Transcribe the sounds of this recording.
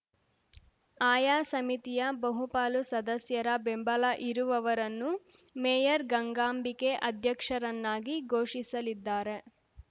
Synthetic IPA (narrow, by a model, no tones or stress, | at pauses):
aːjaːsɐmit̪ijɐbɐɦupaːlusɐd̪ɐsjɐɾɐbembɐlɐʔiɾuʋɐʋɐɾɐnːu | meːjɐɾɡɐŋɡaːmbike̞ʔɐd̪ʱjɐkʂɐɾɐnːaːɡiɡʱo̞ːʂisɐlid̪ːaːɾe̞